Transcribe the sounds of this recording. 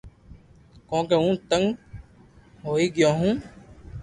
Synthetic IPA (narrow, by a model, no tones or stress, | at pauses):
kõːkeũːt̪əŋɡ | ɦoːiːɡɪjãːɦũː